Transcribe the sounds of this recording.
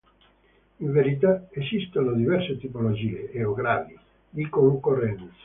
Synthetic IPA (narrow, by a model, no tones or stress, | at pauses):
iɱveɾit̪̬aesist̪onod̪ivɛrset̪ipolod͡ʒiːeeoɡɾa̰ːdi | d̪ikoŋkorːɛnt̪sḁ